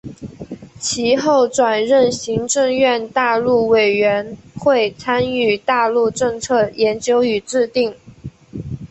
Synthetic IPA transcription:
t͡ɕʰi˧˥xo˥˩ʊʈ͡ʂwa˨˩nɻə˥˩nɕi˧˥ŋʈ͡ʂɤ˥˧ŋɥɛ˥˧nt̪a˥˧lu˥˩we˨˩ɪɥɛ˧˥nxwe˥˩ɪt͡sʰa˥ny˥˩t̪a˥˧lu˥˧ʈ͡ʂɤ˥˧ŋt͡sʰɤ˥˩jɛ˧˥nt͡ɕjo˥ʊy˨˩ʈ͡ʂɻ̩˥˧t̪i˥˩ŋ

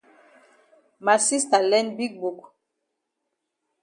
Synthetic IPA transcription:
ma˨si˦sta˨lɛ˦nbi˦k̚bu˨k

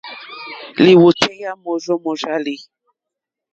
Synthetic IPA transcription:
li˨wo˨tʰɛ˦ja˦mɔ˨zɔ˦mɔ˨za˦li˨

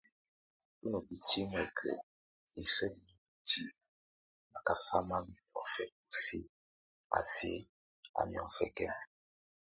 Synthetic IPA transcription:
u˦nɔ˨bi˨ti˦mɛ˨kʰə̰˨ | i˨sə˦li˨no˨bi˨tʰi˦ | ma˨ka˨fa˦ma˦m˨ɔ˨fɛ˨ | u˨si˦ | a̰˨se˨˦ | a̰˨mi˨ɔ̰˨fɛ˨kɛ˦m

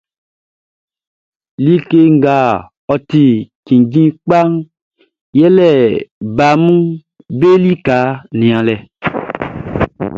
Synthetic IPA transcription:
li˦ke˦ŋ̩˦˨ɡa˨ | ɔ˨t̪i˨kĩ˨d͡ʒĩ˦k͡pa˦ŋ | jɛ˦lɛ˦˨ba˨mũ˦ | be˦li˦ka˨˦nĩ˨ã˨lɛ˨

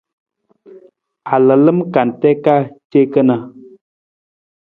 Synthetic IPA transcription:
a˨lə˨lə˦mka˨n˨tɛ˦ka˦t͡ʃe˦kə˦na˨

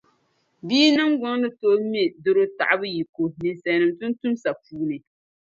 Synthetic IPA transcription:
biː˦nɨ˦ŋɡʊ˦ŋlɨ˦to˦me˦do˦ɾo˦ta̰˨ʔa˦bɨ˦ji˨ko˨ni˨nsɛ˨nɨ˨mtʊ˦n˦tu˦msa˨puː˦nɨ˨

